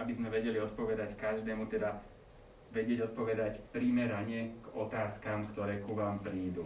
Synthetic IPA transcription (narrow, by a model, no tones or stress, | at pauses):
abizmɛʋɛɟɛliɔt̪̚pɔʋɛd̪ackaʒd̪ɛːmut̪ɛd̪a | ʋɛɟɪɛɟɔt̪̚pɔʋɛd̪acpɾimɛɾaɲɛɡ̥ɔt̪aːskaːmkt̪ɔɾɛːkuʋaːmpɾiːd̪u